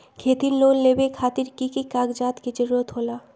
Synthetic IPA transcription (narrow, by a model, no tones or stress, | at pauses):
kʰet̪iɾlolːebekʰat̪iɾkikikaɡd͡ʑat̪kit͡ɕeɾot̪ɦola